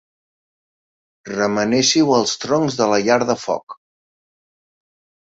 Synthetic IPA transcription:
rəmənɛʃiwəlˠst̪ɾoŋzðələʎaɾðəfɔ̰k

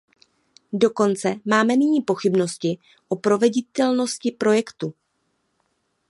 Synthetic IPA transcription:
do̞ko̞nt͡sɛmaːmɛnɪɲiːpo̞xɪbno̞scɪ | ʔo̞pɾo̞vɛɟɪt̪ɛlno̞scɪpɾo̞jɛkt̪u

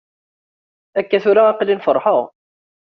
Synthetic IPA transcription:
ækːæθuɾaːqlinfəɾˤħəʁ

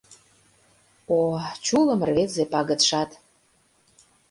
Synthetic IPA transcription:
ot͡ɕulə̆m̆rβet̪zepɑɣə̆t̪ʃɑt̪

